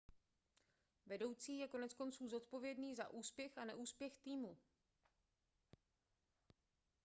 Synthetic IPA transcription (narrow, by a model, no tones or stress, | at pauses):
vɛdo̞wt͡siːjɛko̞nɛt͡sko̞nt͡suːzo̞t̪po̞vjɛdniːza̰ʔuːspjɛxanɛʔuːspjɛxt̪iːmu